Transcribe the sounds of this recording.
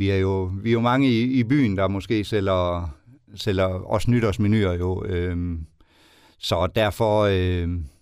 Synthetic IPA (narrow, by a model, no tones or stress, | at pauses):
ʋiæɐjo̝ʋiæjo̝mɑ̈ŋəiib̥y̰ːn̩d̥ɑ̈mɒ̽sɡ̥e̝̰ːsel̰ɐ | sel̰ɐɒ̽snyɾ̥ɐsminy̰ːɐjo̝øm | sɒ̽d̥æɐ̰fɒø